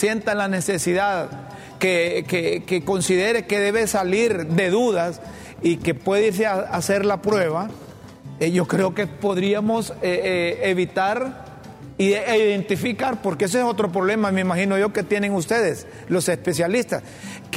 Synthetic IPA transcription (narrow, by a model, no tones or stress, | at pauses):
sje̞nt̪alane̞se̞siðað | kekekeko̞nsiðe̞ɾe̞ke̞ðe̞βe̞saliɾd̪e̞ðuðas | ike̞pwe̞ðeiɾs̬ease̞ɾlapɾwe̞βa | ʝo̞kɾe̞oke̞po̞ðɾiamo̞seeβit̪aɾ | ijðent̪ifikaɾpo̞ɾkees̬eeso̞t̪ɾo̞p̬ɾo̞βle̞mameimaxino̞ʝo̞ke̞t̪je̞ne̞ŋust̪e̞ðes | lo̞se̞spe̞sjalist̪as | k